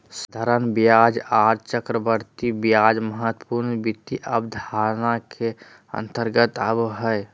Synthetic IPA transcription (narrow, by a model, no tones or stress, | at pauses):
sd̪ʱəɾənbjad͡ʒaɾt͡ʃəkɾəbəɾt̪ibjad͡ʒməɦət̪ə̥puɾnbit̪iʔəbd̪ʱaɾnakʰe | ə̰nt̪əɾɡət̪əbɦəe